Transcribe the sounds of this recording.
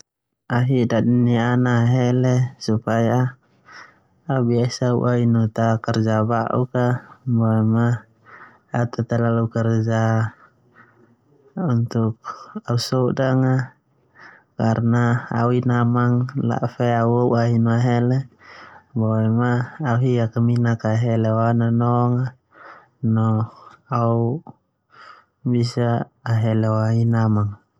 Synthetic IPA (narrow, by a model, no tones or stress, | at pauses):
aɦiʔdadinianaːɦɛlɛsupaja | biasaṵʔainut̪akɛrd͡ʒabaʔṵkabɔɛmaː | t̪at̪alalukɛrd͡ʒa | unt̪uk̚ausɔdaŋa | kaɾnaa̰uinamaŋla̰ʔfɛauauaɦinoaɦɛlɛ | bɔɛmaːuɦiakaminakaɦɛlewananɔŋa | nɔau | bisaːɦɛleoaɦinamaŋ